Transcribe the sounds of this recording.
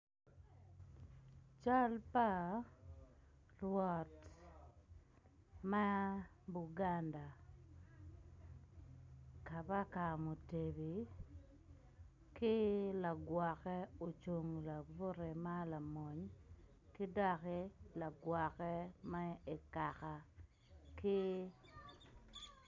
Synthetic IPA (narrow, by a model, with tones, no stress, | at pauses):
t͡ʃa˦lpa˦ | lwɔ˨t | ma˦ | bu˨ɡa˦nda˨ | ka˨pa˦ka˨mo˨te˨bi˨ | kɪ˦la˨ɡwa˨kɛ˦o˨t͡ʃo˨ŋla˨bʊ˦ɾe˨ma˦la˨mɔ˨ɲ | kɪ˦da˦kɛ˦la˨ɡwa˨kɛ˦ma˦e˨ka˨ka˨ | kɪ˦